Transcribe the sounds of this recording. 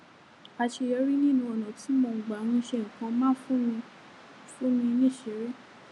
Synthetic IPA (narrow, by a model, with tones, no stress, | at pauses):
a˧ʃe˧jɔ˧˦ɾi˦nĩ˦˨nũ˧ɔ˨nã˨ti˨˦mo˧˨ŋ̩˨ɡ͡ba˨˦w̃ĩ˧˦ʃe˦˨ŋ̩̃˨kã˧mãː˦fũ˦mĩ˧ | fũ˦mĩ˧nĩ˦˨ʃe˨˦ɾe˦